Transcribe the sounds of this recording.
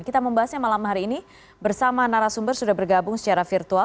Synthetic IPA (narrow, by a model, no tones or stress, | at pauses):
kit̪aməmbaɦasɲamalamɦaɾiːni | bərsamanaɾasumbərsudahbərɡabʊŋsə̥t͡ʃaɾafirt̪ua